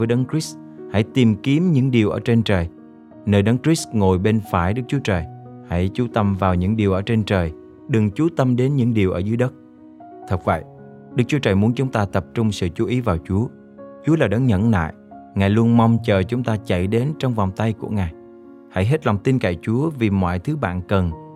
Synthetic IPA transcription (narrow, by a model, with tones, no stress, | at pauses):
vəː˨˦jɗə˨˦ŋkɹi˦˥s | ha̰˧˩jt̪i˨˩mki˨˦əmɲɨ̰˧˥ŋɗi˨˩əwʔəː˧˩t͡ɕe˧nt͡ɕəː˨˩j | nəː˧jɗə˨˦ŋkɹi˦˥sŋo˨˩jɓe˧nfaː˧˩jɗɨ˦˥k̚t͡ɕu˨˦ət͡ɕəː˨˩jha̰˧˥˩jt͡ɕu˨˦t̪ə˧mvaː˨˩wɲɨ̰˧˥ŋɗi˨˩wʔəː˧˩t͡ɕe˧nt͡ɕəː˨˩j | ɗɨ˨˩ŋt͡ɕu˨˦t̪ə˧mɗe˨˦nɲɨ̰˧˥ŋɗi˨˩əʔəː˧˩zɨ˨˦ɗə˦˥t̚ | t̪ʰə˨˩k̚və̰˧˨j | ɗɨ˦˥k̚t͡ɕu˦ət͡ɕəː˨˩jmu˨˦ənt͡ɕʊ˨˦ŋ͡mt̪aː˧t̪ə˨˩p̚t͡ɕʊ˧ŋ͡msɨ̰˧˨t͡ɕu˨˦ʔi˨˦vaː˨˩wt͡ɕu˨˦ə | t͡ɕu˨˦əlaː˨˩ɗa˨˦ŋɲə̰˧˥nla̰ː˧˨j | ŋaː˨˩jlu˧ənma˧wŋ͡mt͡ɕəː˨˩t͡ɕʊ˨˦ŋ͡mt̪aː˧t͡ɕə̰˧˨jɗe˨˦nt͡ɕɔ˧wŋ͡mva˨˩wŋ͡mt̪a˧jku˧˩əŋaː˨˩j | ha̰˧˥jɦe˦˥t̚la˨˩wŋ͡mt̪i˧nka̰˧˩jt͡ɕu˨˦əvi˨˩mɔ̰ː˧˨jt̪ʰɨ˨˦ɓa̰ː˧˨nkə˨˩n